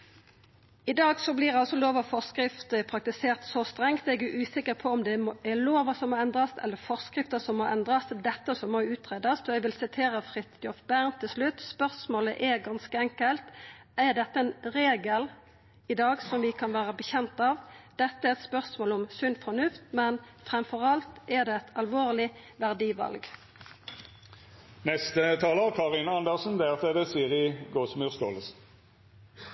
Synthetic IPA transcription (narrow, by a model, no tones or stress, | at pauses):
ɪd̪ɑːɡsɔblɪʁɑlsɔloːʋɔfɔʁskɾɪft̪əpʰɾɑkt̪ɪseːʁt̪sɔst̪ʁɛŋt̪ɛɡʉʔʉːsɪkːəɾpʰɔɔmd̪ɛmɛloːʋəsɔmoːɛnd̪ɾɑsɛ̰lːəfɔʁskɾɪft̪əsɔmːoːʔɛnd̪ɾɑsd̪ɛt̪ːəsɔmːoʉːt̪ʁeːd̪ɑsɔɛɡʋɪlsɪt̪ʰeːɾəfʁɪt̪jɔfbæʁnt̪ʰɪlslʉt̪ːspœʁsmoːləʔɛɡɑnskəɛŋkəlt̪æd̪ɛt̪ːəɛnʁeːɡəl | ɪd̪ɑːɡsɔmʋɪkʰɑnʋæːʁəbəçɛnt̪ɑːʋd̪̥ɛt̪ːəɛɛt̪spœʁsmoːlɔmsʉnfɔnʉft̪mɛnfʁɛmfɔʁɑlt̪ɛʁd̪ɛːɛt̪ʰɑlʋoːʁlɪ | ʋæʁd̪iːʋɑ̰lɡ | nɛst̪ət̪ʰɑːləʁkʰɑʁɪnəɑnd̪əʁsn̩d̪eʁt̪ʰeːd̪əsiːəʁɪɡoːsmʉːʁskoːləsn̩